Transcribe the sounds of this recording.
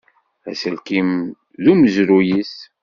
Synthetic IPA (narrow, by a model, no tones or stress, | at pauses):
æ̰səlkim | ðuməzɾujis